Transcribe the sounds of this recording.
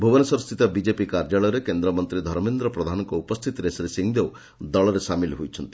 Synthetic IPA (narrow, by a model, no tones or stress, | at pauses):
bʱubɔnɔsɔɾɔst̪ʰit̪ɔbid͡ʒepikaɾd͡ʒaɭɔjɾekend̪ɾɔmɔnt̪ɾid̪ʱɔɾmend̪ɾɔpɾɔd̪ʱanɔŋkɔupɔst̪ʰit̪iɾesɔɾesiŋd̪ew | d̪ɔɭɔɾesamilɦojt͡ʃʰɔnt̪i̥